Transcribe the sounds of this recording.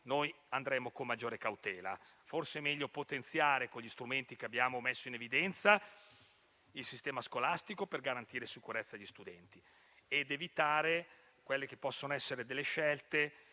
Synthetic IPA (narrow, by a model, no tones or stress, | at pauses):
noj | and̪ɾɛːmokomːad͡ʒːoːɾekawt̪ɛːla̰ | forsemɛʎːopot̪ent̪sjaːɾekoʎːist̪ɾument̪ik̟eabːjaːmomɛsːoinevid̪ɛnt̪sa | ilsist̪ɛːmaskolast̪ikoperɡaɾant̪iːɾesikuɾɛt̪sːad̪ʎʎist̪ud̪ɛnt̪i | ed̪evit̪aːɾe | kwelːek̟epːɔsːonoɛsːeɾed̪elːeʃɛlt̪e